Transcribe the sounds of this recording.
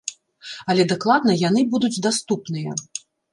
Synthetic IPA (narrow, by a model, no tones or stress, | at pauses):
ɐlʲɛd̪aklˠad̪nɐjanɨbud̪ud͡zʲd̪ast̪upnɨjɐ̰